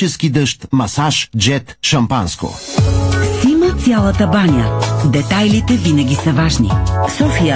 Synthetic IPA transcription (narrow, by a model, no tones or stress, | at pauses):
ɛskid̪əʃt̪mɐsaʃd͡ʒɛt̪ʃɐmpa̰nsko̰ | simət̪sʲjalˠət̪əbanʲjəd̪ɛt̪ajlit̪ɛvinɐɡʲisɐvaʒnḭsɔfijə